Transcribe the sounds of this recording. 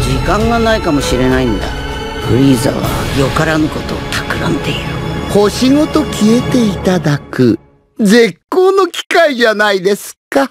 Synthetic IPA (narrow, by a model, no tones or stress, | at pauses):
d͡ʑikãŋɡanaikamo̞ɕiɾe̞naĩnd̪a̰ | ɸɯ̟ɾʲiːza̰βa̰jo̞kaɾanɯko̞t̪o̞̰ːt̪ʰakɯ̟ɾãnd̪eiɾɯ̟ho̞ɕiŋo̞t̪o̞kʲie̞t̪e̞it̪ad̪akɯ̟ | zekːo̞ːno̞kʲi̥kaid͡ʑanaid̪e̞sɨ̥ka